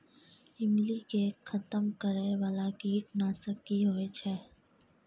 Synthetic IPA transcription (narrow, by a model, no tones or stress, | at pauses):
ɪmlikexʰət̪əmkəɾeʋaːlakiːʈnasəkiɦoːet͡ʃʰɛː